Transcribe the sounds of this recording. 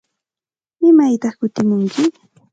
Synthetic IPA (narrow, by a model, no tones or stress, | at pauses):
mɪmajt̪ɑχkʊt̪ɪmʊŋkʰɪ